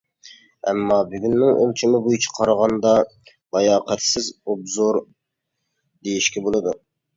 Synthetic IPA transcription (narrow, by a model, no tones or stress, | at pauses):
ɛmːɑbyɡʲynːɪŋʔo̰lˠt͡ʃʰimɪbujt͡ʃʰɑ̥qʰɑɾʁɑnd̪ɑ | bɑjɑːqɛt̪sɪzobzoɾ | d̪ejiʃkʲɛbolˠɨd̪u